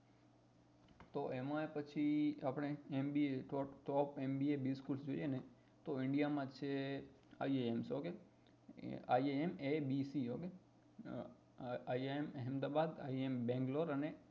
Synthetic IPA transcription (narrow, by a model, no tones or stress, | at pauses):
t̪oʔemãepət͡ʃʰiapɽ̃eembieʈɔʈɔpembiebiskulsd͡ʒoijene | t̪oɪɳɖijamãt͡ʃʰe | a̰ieemsoke | a̰ieemebisiɦoke | aieemɦɛmd̪abad̪a̰iembɛ̃ŋɡloɾəne